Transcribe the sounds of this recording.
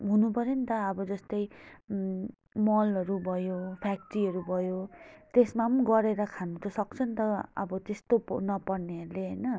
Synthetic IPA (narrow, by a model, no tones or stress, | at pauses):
ɦunupʌɾjʌnit̪ʌːbʌd͡zʌst̪ʌj | mʌlʌɾubʱʌjopʰakʈriɦʌɾubʱʌjot̪esmanɡʌɾeɾʌkʰanut̪osʌk̚t͡sʰʌnt̪ʌʌ̰bʌt̪est̪opnʌpʌrneɦʌɾuleɦʌjnʌ